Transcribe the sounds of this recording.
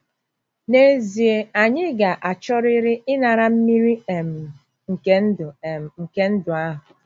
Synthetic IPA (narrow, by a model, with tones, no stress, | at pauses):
ne˦zi˨e˨a˨ɲɪ˦ɡa˨ʔa˨t͡ʃɔ˦ɾɪ˦ɾɪ˦ɪ˦na˨ɾa˨m̩˦mi˦ɾi˦˨m˨ | ŋ̩˨ke˨n̩˦dʊ˨ŋ̩˨ke˦n̩˦dʊ˨a˦ɦʊ˨